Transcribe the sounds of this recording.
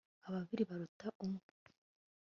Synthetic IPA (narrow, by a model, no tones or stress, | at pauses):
aβaβiɾiβaɾutaʔumu̥